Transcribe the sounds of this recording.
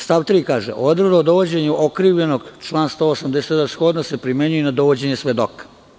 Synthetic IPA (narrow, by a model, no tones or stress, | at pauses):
st̪aʋt̪ɾiːkaːʒḛʔod̪ɾod̪aod̪o̞ʋod͡ʑeɲuʔokɾiːʋʎe̞noɡt͡ʃlˠaːnst̪o̞ːosamd̪eset̪d̪askod̪nosepɾimeɲujenad̪oʋod͡ʑe̞ɲesʋed̪okḁ